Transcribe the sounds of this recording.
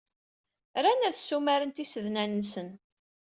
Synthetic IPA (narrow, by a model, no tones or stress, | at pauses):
ɾænæðsːumæɾənt̪isəðnænːsən